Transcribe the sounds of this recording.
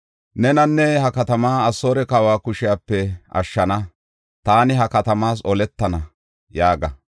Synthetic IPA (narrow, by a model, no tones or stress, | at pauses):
nɛnɐnːɛhɐkɐt̪ɐmaːɐsːoːɾɛkaːwaːkʊʃɪjaːpːɛɐ̰ʃːɐnɐ | t̪aːnɪɦɐkɐt̪ɐmaːs̬ɔlɛt̪ːɐnɐ | jaːɡɐ